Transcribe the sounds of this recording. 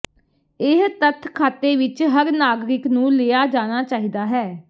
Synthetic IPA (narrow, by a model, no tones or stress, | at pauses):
ɪɦt̪ət̪ʰkʰaːt̪eːʋɪt͡ʃɦəɾnaːɡɾɪknũːleːaːd͡ʒaːñaːt͡ʃaːɦiːd̪aːɦɛː